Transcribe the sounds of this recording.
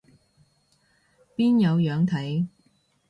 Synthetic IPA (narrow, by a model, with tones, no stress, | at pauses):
piː˥njɐ˨˧wjœː˨˥ŋt̪ʰɐ˨˥j